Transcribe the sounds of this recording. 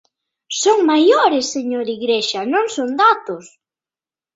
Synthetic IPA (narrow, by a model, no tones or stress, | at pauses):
soŋmajoɾɪsːeɲoɾiɣɾeʃɐnõŋsond̪at̪ʊs